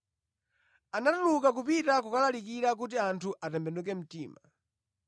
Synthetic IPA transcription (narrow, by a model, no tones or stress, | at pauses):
anatulukakupitakukalalikiɾak̬ut̬iantʰuʔatɛmbɛnduk̬ɛm̩tḭːma